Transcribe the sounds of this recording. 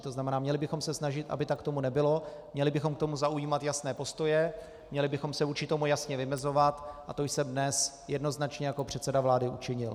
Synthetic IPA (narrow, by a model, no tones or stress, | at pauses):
t̪oznamɛnaːmɲɛlɪbɪxo̞msɛsnaʒɪt̪ʔa̰bɪt̪ak̚t̪o̞munɛbɪlo̞mɲɛlɪbɪxo̞mkt̪o̞muzaujiːmat̪jasnɛːpo̞st̪o̞jɛ | mɲɛlɪbɪxo̞msɛvuɾt͡ʃɪt̪omujasɲɛvɪmɛzo̞vat̪ʔat̪o̞jsɛmdnɛs | jɛdno̞znat͡ʃɲɛjako̞pr̝̥ɛt̪sɛdavlaːdɪʔut͡ʃɪɲɪl